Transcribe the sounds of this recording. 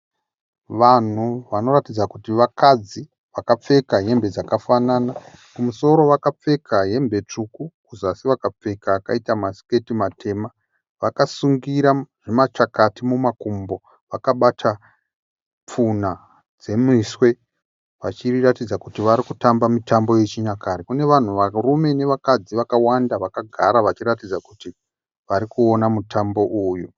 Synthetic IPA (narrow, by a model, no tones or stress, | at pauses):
ʋan̤uʋano̞ratid͡zakutiʋakad͡zi | ʋakap͡fe̞kaɦe̞mbe̞d͡zakafanaːna | kumuso̞ɾo̞ʋakap͡fe̞kʰaje̞mbe̞t͡ʂukukuzasiʋakap͡fe̞kaːkaitamasi̥ke̞timatʰe̞ːma | ʋakasuŋɡiɾaʐ̥emat͡ʃakatimumakumbo̞ | ʋakaɓatʰa | p͡funa | d͡ze̞miswe̞ | ʋat͡ʃiratid͡zakutiʋaɾikutambamitʰambo̞je̞t͡ʃiɲakaɾikune̞ʋan̤uʋarume̞ne̞ʋakad͡ziʋakawandaʋakaɡʱa̰ɾaʋat͡ʃiɾatid͡zakuti | ʋaɾikuo̞namutʰambo̞ʔuːju